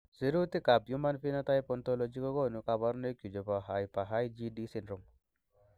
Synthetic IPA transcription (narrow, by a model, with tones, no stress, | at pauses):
si˨ɾu˦t̪i˦ka˨bju˦ma˦nfi˦na˦t̪a˦ji˦pɔ˨nt̪o˦lɔ˨d͡ʒi˦kɔ˦ko˦nu˨ka˨ba˦ɾne˦ku˨d͡ʒɔ˨pa˨ɦa˨jpa˨ɦa˦jd͡ʒi˦di˦si˨nɾu˨m